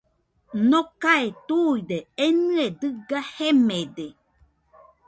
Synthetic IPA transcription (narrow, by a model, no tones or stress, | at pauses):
nokaet̪uid̪eenɨed̪ɨɡahemede